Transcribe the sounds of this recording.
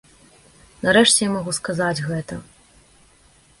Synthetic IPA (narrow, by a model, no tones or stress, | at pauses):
nɐɾɛʂt͡sʲɛjamaɣuskazad͡zʲɣɛt̪ɐ